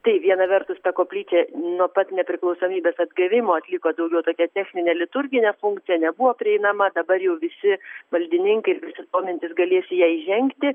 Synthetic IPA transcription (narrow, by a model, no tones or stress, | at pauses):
t̪ɐɪʋʲiɛnɐʋʲɛrt̪ʊst̪ɐkoːpʲlʲiːt͡ʃʲɛnuɔpɐt̪nʲɛpʲɾʲɪklˠɐʊsoːmʲiːbʲeːsɐd̪ɡɐʋʲɪmoːɐt̪ʲlʲɪkoːd̪ɐʊɡʲɛʊt̪oːkʲɛt̪ʲɛxʲnʲɪnʲeːlʲɪt̪ʊɾʲɡʲɪnʲɛfʊŋkt̪sʲɪjɛnʲɛbʊʋoːpʲɾʲɪɛɪnɐmɐd̪ɐbɐrjɛʊʋʲɪsʲɪmɐlʲd̪ʲɪnʲɪŋkɐɪɪɾʋʲɪsʲɪt̪oːmʲɪnʲt̪ʲɪsɡɐlʲeːsʲɪjæːɪʒʲɛŋkt̪ʲɪ